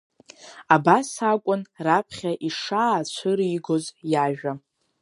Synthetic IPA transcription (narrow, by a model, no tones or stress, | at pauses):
abasakʷʼʊnrapʰχʲaʔiʂaːt͡ɕʷʰɨɾiːɡo̞zjaʒᶣa